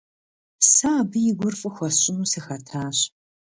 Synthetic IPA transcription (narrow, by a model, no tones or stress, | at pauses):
saːbɨjɪɡʷʊrfʼɨxʷɔɕʼɪnuːsɨxɐtʰaːɕ